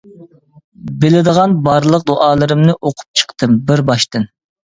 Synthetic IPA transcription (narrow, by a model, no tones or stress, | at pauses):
belɪd̪əʁɑnbɑɾlˠəq̚d̪oʔɑːlˠɨɾɨmnɨʔoqʰʊ̥p̚t͡ʃʰə̥qt̪ʰɨmbɪɾbɑʃt̪ɨn